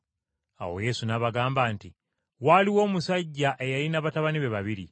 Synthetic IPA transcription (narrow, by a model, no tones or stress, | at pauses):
a̰wo̞̰je̞sunaβaɡaːmbaːnti | waliwo̞ːmusaɟːaʔe̞jalinaβataβaniβe̞βaβiɾḭ